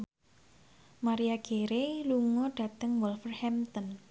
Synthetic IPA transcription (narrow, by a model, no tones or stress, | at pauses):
maɾiaɡ̥eɾeluŋɔɖ̥a̤t̪əŋwɔlfərhɛmt̪ɔn